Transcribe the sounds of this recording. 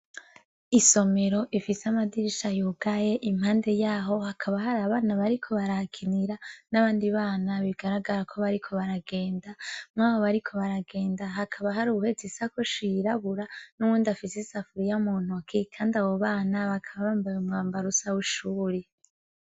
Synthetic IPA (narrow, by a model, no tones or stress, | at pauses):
iso̞me̞ɾo̞ʔifiseamadiɾiʃajoɡaje̞ʔimhaːnde̞jaːɦo̞hakʰaβahaɾaβaːnaβaɾikʰo̞βaɾahkʰiniɾanaβaːndiβaːnaβiɡaɾaɡaɾakʰo̞βaɾikʰo̞βaɾaɡe̞ːndamŋaːβo̞βaɾikʰo̞βaɾaɡe̞ːndaɦakʰaβaɦaɾuβuhezisakoʃiiɾaβuɾanuwuːndafisisafuɾijamuːn̥ukʰikʰaːndaβo̞βaːnaβakʰaβaβaːmbajumŋaːmbaɾusawuʃuːɾe